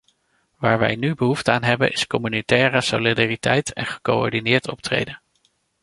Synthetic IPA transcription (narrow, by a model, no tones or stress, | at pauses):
ʋaːɹʋɛ̰jnybəɦuftəaːnɦɛbə̰nʔɪskɔmynitɛːrəso̰lidaːritɛjtʰɛ̰nχə̥koɔ̰ɹdinɪːɹtʰɔ̰p̚trḛjdən